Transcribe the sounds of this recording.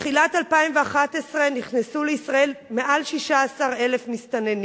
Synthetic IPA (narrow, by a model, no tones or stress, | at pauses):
eχilathalpaimveaχatesʁeniχnesuleisʁae̞lme̞ʔalʃiʃaasaʁe̞lefmist̪aneni